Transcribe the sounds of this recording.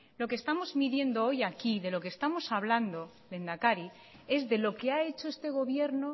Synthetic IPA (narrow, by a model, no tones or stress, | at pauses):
lo̞kest̪amo̞zmiðje̞nd̪o̞o̞jakiðe̞lo̞ke̞st̪amo̞saβ̞land̪o̞ | le̞nd̪akaɾi | e̞zðe̞lo̞ke̞ae̞t͡ʃoest̪e̞ɣ̞o̞β̞je̞ɾno̞